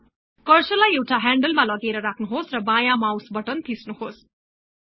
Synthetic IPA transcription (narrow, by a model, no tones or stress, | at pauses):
kʌrsʌlajewʈaɦaɳɖʌlmalʌɡeɾʌɾakʰnuɦosrʌbãjamawsbʌʈʌnt̪ʰisnuhos